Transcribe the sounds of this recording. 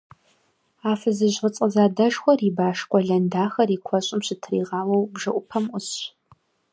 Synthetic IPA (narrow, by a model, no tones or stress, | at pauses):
aːfɐzɨʑʁət͡sʼɐzaːdɐʂxʷɔriːbaːʂkʷʼɔɮɐndaːxɐriːkʷʰɔɕʼɪmɕɪtʰriːʁɑːwɐwbʒɐʔʷʊpʰɐmʔʷʊɕ